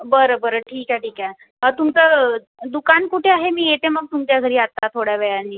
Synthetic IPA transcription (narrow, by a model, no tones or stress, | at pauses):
bəɾobəɾəʈʰiːkɛʈiːkɛ̃ | ət̪umt͡sə | d̪ukankuʈʰeaɦemiːjet̪eməɡ̚t̪umt̪jaɡʱəɾiːat̪ːat̪ʰoɽjaʋɛjanːiː